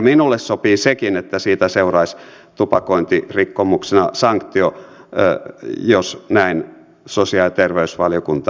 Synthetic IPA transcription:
minulːessopiːsekinet̪ːæsiːt̪æseurɑisʲ | t̪upɑkoint̪irikːomuksenɑsɑŋkt̪io | josnæin | sosiɑˑlt̪erʋeysʋɑljokunt̪

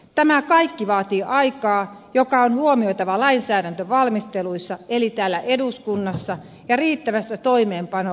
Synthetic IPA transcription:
t̪æmækɑikːiʋɑːt̪iːʔɑikɑːjokɑonhuomioit̪ɑʋɑlɑinsæːɾænt̪øʋɑlmist̪eluisːɑelit̪æːlːæʔeduskunːɑsːɑ | jɑriːt̪ːæʋæsːæt̪oimeːmpɑno

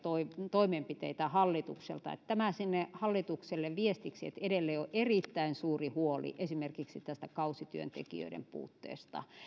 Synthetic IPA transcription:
t̪oit̪oimempit̪ḛit̪æhɑlːit̪uksḛlt̪ɑ̰ḛt̪t̪æmæsinːehɑlːit̪ukselːeʋʋiest̪iksiḛt̪eɾelːeioʔerit̪ːæinsuːrihuolḭʔesimerkiksit̪æst̪ækɑusit̪yø̰nt̪ḛkḭø̰iɾḛmpṵːt̪ːḛːst̪ɑ̰

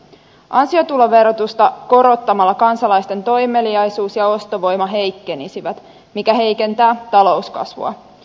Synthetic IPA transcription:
ʔɑnsio̞t̪uloʋe̞rot̪ust̪ɑko̞ɾo̞t̪ːɑmɑlːɑkɑnsɑlɑjst̪e̞nt̪o̞jme̞liɑjsuːsjɑo̞st̪o̞ʋo̞jmɑɦe̞jkːe̞nisiʋæt̪ | mikæɦe̞jke̞nt̪æːt̪ɑlo̞uskɑ̰sʋṵɑ̰

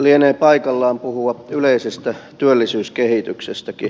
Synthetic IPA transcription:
lieneːpɑikɑlːɑːmpuhuɑyleisest̪æt̪yølːisyːskehit̪yksest̪æki

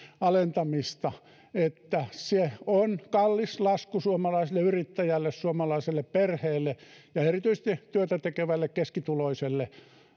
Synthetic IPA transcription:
ɑlent̪ɑmist̪ɑ | et̪ːæseonkɑlːislɑskusuomɑlɑisilːeyrit̪ːæjælːessuomɑlɑiselːepperheːlːejɑerit̪yisest̪it̪yøt̪æt̪ekeʋælːekkeskit̪uloiselːe

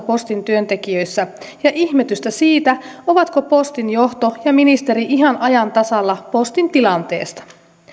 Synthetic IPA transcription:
po̞st̪int̪yønt̪e̞kiø̞jsːæ | jɑʔiçmet̪yst̪æsiːt̪æo̞ʋɑt̪ko̞po̞st̪injo̞ht̪o̞jɑminist̪e̞ɾiʔiɦɑnʔɑjɑnt̪ɑsɑlːɑpo̞st̪int̪ilɑnt̪e̞̰ːst̪ɑ̥

